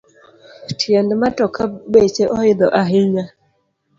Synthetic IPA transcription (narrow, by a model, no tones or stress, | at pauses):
tʰjɛndmatɔkʰabet͡ʃeʔɔɪd̪ɔʔaɦɪɲa